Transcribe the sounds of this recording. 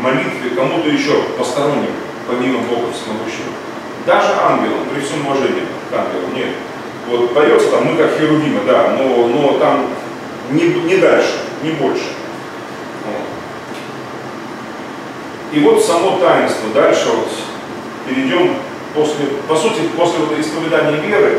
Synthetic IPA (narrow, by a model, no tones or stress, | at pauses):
mɐlʲit̪vʲɪkɐmut̪əjɪɕːo̞pəst̪ɐɾo̞nʲːɪk | pɐmʲiməbokəfsʲmɐɡuɕːɪvə̰ | d̪aʐɨʔanɡʲɪlˠə̰npɾʲɪɪsʲomʊvɐʐɛnʲɪ̰jə̰ | t̪anɡʲɪ̰lˠə̰nʲe̞t̪ | vo̞t̪pɐjot̪sə̥t̪amːɨkakxʲɪɾʊdʲimʲəd̪anonot̪am | nʲɪnʲɪd̪alʲʂɨ̥nʲɪbo̞lʲʂɨ̥ | o̰ | ivo̞t̪sɐmo̞t̪ajɪnst̪vəd̪alʲʂɨvot̪ | pʲɪɾʲɪdʲo̞m | po̞sʲlʲɪpɐsutʲɪpo̞sʲlʲɪvot̪ɪspəvʲɪd̪anʲɪjəvʲe̞ɾɨ